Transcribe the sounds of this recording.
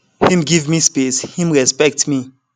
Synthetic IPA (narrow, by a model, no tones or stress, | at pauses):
hĩmɡivmispeshĩmɹɛspɛk̚tmi